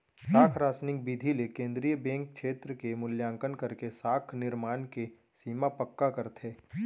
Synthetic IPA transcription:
saːkʰɾaːsnɪk̚bid̪ʱilekẽːnd̪ɾijəbɛ̃ːŋk̚kʃeːt̪ɾəkemʊljãːŋkənkəɾkesaːkʰnɪɾmaːnke | siːmapəkːakɐɾt̪ʰeː

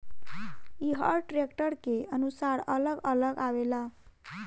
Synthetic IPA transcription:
iɦəɾʈɾekʈəɾkeənusaɽələɡələɡaʋela

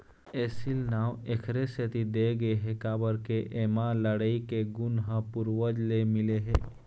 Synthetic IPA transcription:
eːsilnaːwekʰɾeset̪id̪eɡəeɦekaːbəɾkeʔemãləɽaikeɡʊnɦãpʊɾwəd͡ʒlemɪleɦɛ̰ː

